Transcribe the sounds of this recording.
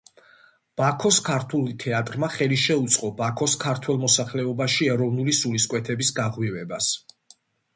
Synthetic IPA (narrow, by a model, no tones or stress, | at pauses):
b̥akʰɔskʰaɾt̪ʰulˠt̪ʰɛat̪ʼɾmaχɛliʃɛut̪sʼqʼɔbakʰɔskʰaɾt̪ʰwɛlˠmɔsaχlɛɔbaʃiɛɾɔvnulisuliskʼwɛt̪ʰɛbisɡaʁwivɛbas